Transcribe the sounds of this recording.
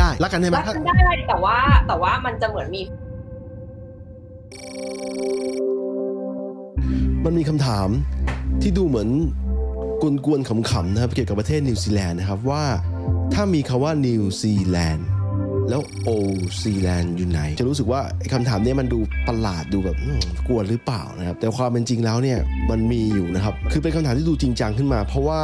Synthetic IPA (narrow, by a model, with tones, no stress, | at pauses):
aː˥˩jla˦˥kːa˧nda˥˩m˦˥a˦˧ndaː˥˩da˥˩t̪ɛː˨˩waː˥˩t̪ɛː˨˩waː˥˩ma˧nt͡ɕa˨˩mɯ˩˦ənmiː˧ | ma˧nmiː˧kʰa˧mt̪ʰaː˩˦mt̪ʰiː˥˩duː˧mɯ˩˦ən | ku˧nku˧ənkʰa˩˦mkʰa˩˦mna˦˥kʰa˦˥p̚ki˨˩əka˨˩pːɾa˧t̪ʰeː˥˩t̪̚ni˧siː˧lɛː˧nːa˦˥kʰa˦˥p̬̚waː˥˩ | t̪ʰaː˥˩miː˧kʰa˧waː˥˩niː˧wsiː˧lɛː˧nlɛː˦˥wʔoː˧siː˧lɛː˧njuː˨˩na˩˦jt͡ɕa˨˩ɾuː˦˥s̬ɯ˨˩k̚waː˥˩ʔa˧˥˩jkʰa˧mt̪ʰaː˩˦mni˥˩ɐma˧nduː˧pa˧laː˨˩t̪̚duː˧bɛː˨˩p̚ʔɯː˧˩ku˨˩ət̪̚ɾɯ˦˥pla̰ː˨˩wna˦˥kʰa˦˥p̚t̪ɛː˨˩a˦kʰwaː˧mpe˧nt͡ɕi˧ŋlɛː˦˥wni˥˩ɐma˧nmiː˧juː˨˩na˦˥kʰa˦˥p̚kʰɯ˧pe˧nkʰa˧mt̪ʰaː˨˦t̪ʰiː˥˩dːt͡ɕi˧ŋt͡ɕa˧ŋkʰɯ˥˩nmaː˧pʰɾɔ˦˥waː˥˩